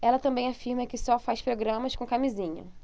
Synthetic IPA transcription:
ɛlɐt̪ɐ̃bẽj̃afiɾmɐkɪsɔfajspɾoɡɾɐ̃mɐskõkamizĩɲɐ̰

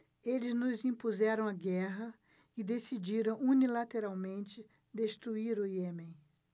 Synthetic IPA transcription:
elɪznʊzĩpuzɛɾɐ̃w̃aɡɛɦɐ | ɪd̪esid͡ʒiɾɐ̃w̃unilat̪eɾawmẽnt͡ʃɪ | d̪est̪ɾuiɾʊjemẽj̃

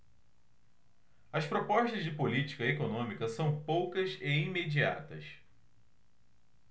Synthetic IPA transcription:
ɐspɾopɔʃt̪ɐzd͡ʒɪpolit͡ʃi̥kɐekonõmikɐsɐ̃w̃powkɐzɪimed͡ʒia̰t̪ɐ̰s

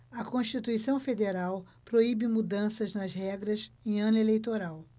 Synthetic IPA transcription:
ɐkõʃt͡ʃit̪uisɐ̃w̃fed̪eɾaw | pɾoibɪmud̪ɐ̃sɐznɐzɦɛɡɾɐzẽj̃ɐ̃nelejt̪oɾaw

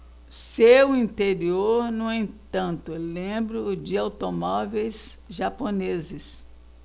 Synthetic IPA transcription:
sewĩt̪eɾioɾnũẽt̪ɐ̃nt̪ʊlẽbɾʊd͡ʒɪawt̪omɔvejsʒaponezɪs

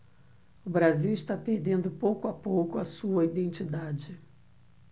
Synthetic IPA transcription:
ʊbɾaziwɪʃt̪apeɾd̪ẽnd̪ʊpowkʊapowkʊɐsuɐid̪ẽnt͡ʃid̪ad͡ʒɪ

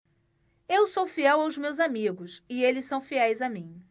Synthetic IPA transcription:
ewsowfiɛwawzmewzamiɡʊsɪelɪssɐ̃w̃fiɛjzamĩ

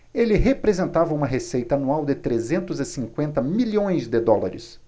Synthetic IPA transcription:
elɪɦepɾezẽnt̪avɐũmɐɦesejt̪ɐanuawd̪ɪt̪ɾezẽnt̪ʊzɪsĩŋkwẽnt̪ɐmiʎõj̃zd̪ɪd̪ɔla̰ɾɪ̰s

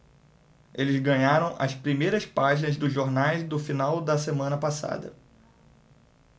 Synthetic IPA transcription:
elɪzɡɐ̃ɲaɾɐ̃w̃ʔɐ̰spɾimejɾɐspaʒinɐzd̪ʊʒoɾnajzd̪ʊfinawd̪ɐsemɐ̃nɐpasa̰d̪ɐ̰

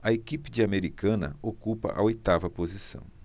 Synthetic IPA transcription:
ɐekipɪd͡ʒɪameɾikɐ̃nɐ̰okupɐ̰ʔɐ̰ojt̪avɐpozisɐ̰̃w̃

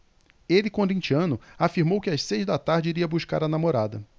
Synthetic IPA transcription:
elɪkõd̪ĩt͡ʃiɐ̃nʊafiɾmowkɪassejzd̪ɐt̪aɾd͡ʒɪiɾiɐbuʃka̰ɾɐnamoɾad̪ɐ

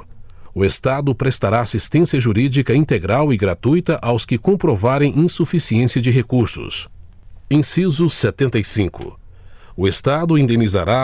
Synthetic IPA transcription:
ʊest̪ad̪ʊpɾest̪aɾaːsist̪ẽsiɐʒuɾid͡ʒikɐĩnt̪eɡɾawɪɡɾat̪ujt̪ɐʔawskɪkõmpɾovaɾẽj̃ʔĩsufisiẽsiɐd͡ʒɪɦekuɾsʊ̰s | ẽj̃sizʊset̪ẽnt̪ɐjsĩkʊ̰ | ʊest̪ad̪ʊĩnd̪emiza̰ɾa

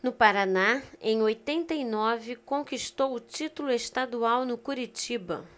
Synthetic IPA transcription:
nʊpaɾanaẽj̃ojt̪ẽnt̪ɐinɔvɪkõŋkiʃt̪owʊt͡ʃit̪ulʊeʃt̪ad̪uawnʊkuɾit͡ʃibɐ̰

